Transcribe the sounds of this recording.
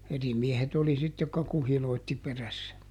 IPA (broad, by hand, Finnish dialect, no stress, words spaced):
eri miehet oli sit jokːɑ kuhiloˑitːi peræsːæ